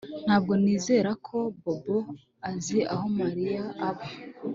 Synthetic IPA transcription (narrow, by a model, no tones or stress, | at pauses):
n̥haːbɡo̞niːze̞ːɾakʰo̞bobo | aziʔaɦo̞maɾijaʔːβa